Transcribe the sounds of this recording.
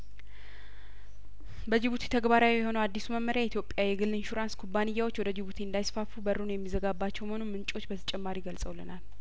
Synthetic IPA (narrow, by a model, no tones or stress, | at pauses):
bəd͡ʒɪβut̪ʰi̥t̪ʰəɡbaɾawijɛho̞nəwad̪ːisuməmːəɾjait̪jo̞pʼːjajɛɡɨlːɨnʃuɾanskʰubːanɨjːawo̞t͡ʃːwɔd̪əd͡ʒɪβut̪ʰiɨnd̪ajsfafubərːunjɛmːizəɡabːat͡ʃːɛwməho̞numɨnt͡ʃʼo̞t͡ʃːbət̪ʰə̥t͡ʃʼɛmːaɾiɡəlsʼəwlənal